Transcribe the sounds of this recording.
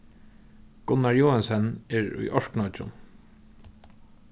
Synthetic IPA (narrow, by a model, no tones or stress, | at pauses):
ɡ̥ʊnːaɹjoːansɛnɛɹʊ̰jʔɔɹknat͡ʃʊ̰n